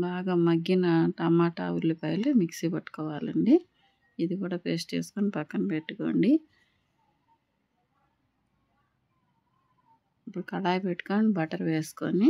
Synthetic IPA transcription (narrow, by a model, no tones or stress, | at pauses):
baːɡaːmɐɡːinɐʈɐmaːʈa̰ːʋulːupɐjlumiksipɐʈːu̥kɔːʋaːlɐɳɖi | id̪ikuːɽaːpeːst͡ʃḛːsu̥konipɐkːɐnpeʈːuko̰ːɳɖi | ipːuɽukɐlaːjpeʈːu̥kaːɐɳɖibɐʈɐɾʋeːsu̥ko̰ni